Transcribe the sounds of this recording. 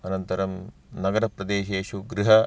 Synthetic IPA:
ɐnɐnt̪ɐɾɐm | nɐɡɐɾɐpɾɐd̪eːʃeːʃuɡɾiɦɐ

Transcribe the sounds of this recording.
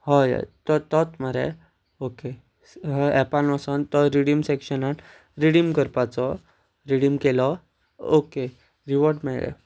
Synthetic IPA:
ɦɔja̰t̪ɔt̪ɔt̪məɾḛ | oke | ɛpanʋasənt̪ɔɾiɽimsekɕənan | ɾiɽimkəɾpat͡sɔ | ɾiɽimkelɔ | oke | ɾiʋɔɾɖmeɭɭɛ̰

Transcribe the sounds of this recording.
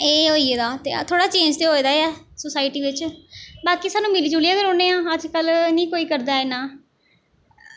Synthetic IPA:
eːɦoːieːd̪aːt̪ḛːt̪ʰoːɽaːt͡ʃẽːnd͡ʒt̪eːɦoːiːd̪aːɛːsosaːɪʈiːʋɪt͡ʃbaːkiːsaːnũːmɪliːd͡ʒuːlijaːɡəɾoːnẽːãːəd͡ʒkəlnĩːkoːiːkəɾd̪aːɪːnãː

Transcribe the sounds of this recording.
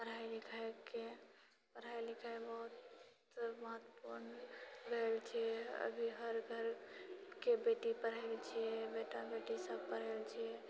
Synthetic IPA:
pəɾajlikʰaeke | pəɾ̤ajlikʰajbəɦut̪ | məɦət̪ːəpuɾnɾelt͡ʃʰɛə̰bʱiɦəɾɡʱəɾkebeʈipəɾ̤əlt͡ʃʰiɛbeʈabeʈisəbpəɾ̤ɛlt͡ʃʰiɛ

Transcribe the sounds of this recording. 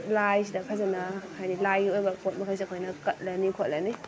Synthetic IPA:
lajsidɐkʰazanakʰajnilajiojbɐkot̚mɐkʰajs̬ikʰojnɐkɐt̚lɐnikʰot̚lɐni

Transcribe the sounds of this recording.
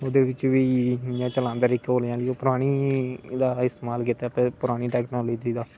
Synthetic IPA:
oːd̪eːʋɪt͡ʃʋiːãːt͡ʃəlãːnd̪aːɾikoːljãːləːoːpʊɾaːɽ̃iːd̪aːɪst̪eːmaːlkɪt̪ːapɛ̃ːpʊɾaːɽ̃iːʈɛːknaːloːd͡ʒiːd̪aː

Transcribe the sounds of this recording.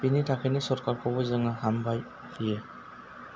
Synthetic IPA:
pinitʰakʰenisɔɾkaɹkʰɔbɔjzaŋaɦambaj | kʰijɛ

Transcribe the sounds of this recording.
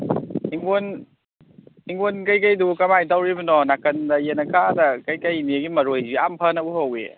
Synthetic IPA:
iŋɡon | iŋɡonkajkajdukɐmajtawɾibɯnɔnakɐndɐjenɐkʰadakajkajniɡimɐɾojziampʰanauhawḛ

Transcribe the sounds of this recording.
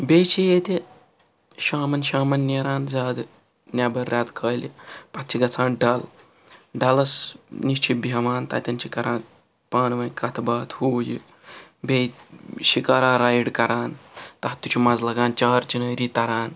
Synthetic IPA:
bejt͡ʃʰijeːt̪e | ʃaːmɐnʃaːmɐnːeːɾaːnzʲaːd̪ | nʲaːbɐɾːʲaːd̪kʰəːjlipɐt̪̚t͡ʃʰiɡɐt͡sʰãːnɖɐl | ɖɐlɐsniʃt͡ʃʰibʱeʋaːnt̪a̰t̪ʲɐnt͡ʃʰikɐɾaːn | paːnʋɐkɐt̪ʰbaːt̪huːjḭ | bejɕikaːɾaːɾaːjɽkɐɾaːnt̪ɐɦɐt̪ut͡ʃʰimɐd͡zlɐɡaːnt͡ʃaːɾt͡ʃinəːɾiːt̪ɐɾaːn

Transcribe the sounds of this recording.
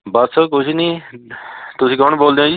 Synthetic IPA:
basəkʊt͡ʃʰinĩː | t̪ʊsĩːkɔnboːld̪ẽːd͡ʒi

